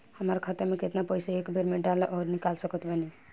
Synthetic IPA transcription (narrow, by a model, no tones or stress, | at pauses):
həmaɾkʰat̪əmẽket̪napəjsaekbʱeɾmẽɖalʔɔːɾnikalsəkət̪bəni